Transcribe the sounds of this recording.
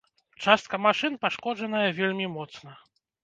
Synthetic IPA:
t͡ʂast̪̚kɐmaʂɨnpaʂkɔd͡ʐɐnɐjɐvʲelʲmʲimɔt̪snɐ

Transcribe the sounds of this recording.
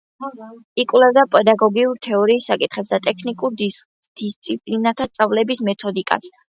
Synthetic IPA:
ikʼwlɛvd̪apʼɛd̪aɡɔɡiuɾt̪ʰɛɔɾiːsːakʼit̪χɛpsd̪at̪ʼɛkʰnikʼuɾd̪i | d̪̥ist̪sʼipʼlinat̪ʰast̪sʼavlɛbismɛt̪ʰɔd̪ikʼa̰s

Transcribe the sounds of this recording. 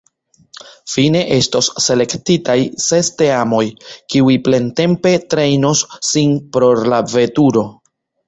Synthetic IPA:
fine̞ʔe̞stosːe̞le̞ktitajse̞ste̞amo̞jkiujple̞nte̞mpe̞tɾe̞jnosːinpɾo̞ɾlave̞tuɾo̞

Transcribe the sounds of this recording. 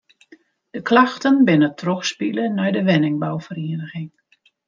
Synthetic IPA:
d̥əklaxtənbɪnətʰrɔxspilənɛjdəʋɛnɪŋbawfəɾiədəɣɪŋ

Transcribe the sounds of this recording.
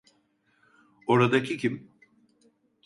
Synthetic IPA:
o̞ɾad̪acʰicʰim

